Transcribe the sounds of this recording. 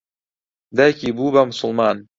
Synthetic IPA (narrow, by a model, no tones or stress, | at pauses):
d̪ajkiːbuːbamʊsʊlˠmɑːn